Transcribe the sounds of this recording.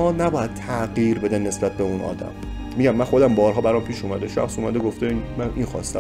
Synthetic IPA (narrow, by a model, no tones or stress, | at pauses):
ɒːnæbɒːjæd̪̥̚t̪ʰæʔɢiːɾbe̞d̪ænːe̞sbæt̪̚beunʔɒ̰ːd̪æ̰mː | iɟæmːænxo̞d̪æmbɒːɾɦɒːbæɾɒmpʰiːʃuːmæd̪eʃæ̰xsuːmæd̪eɡoft̪einmæninxɒ̰ːst̪æ̰